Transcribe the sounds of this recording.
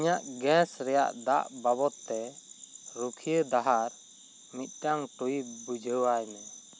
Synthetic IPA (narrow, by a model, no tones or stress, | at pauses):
ɲaʔɡɛ̃sɾɛja̰ʔd̪aʔbabɔt̪ːɛ | ɾukʰiəd̪aɦaɾ | mit̪̚ˀʈaŋʈuibud͡ʒʱəwajmɛ